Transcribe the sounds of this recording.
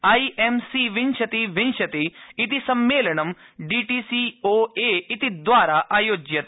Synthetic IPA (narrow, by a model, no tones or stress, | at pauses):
aːiːʔemsiːʋɪnʃɐt̪iʋɪnʃɐt̪iɪt̪isɐmːeːləɳɐm | ɖiːʈiːsioːeːɪt̪id̪ʋaːɾaʔaːjoːd͡ʒjɐt̪